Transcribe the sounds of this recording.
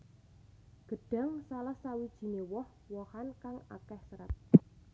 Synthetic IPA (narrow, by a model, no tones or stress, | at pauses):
ɡ̥ə̤ɖ̥a̤ŋsalahsawid̥ʒ̥i̤newɔh | wɔhankaŋa̰kɛhsəɾə̰t̪̚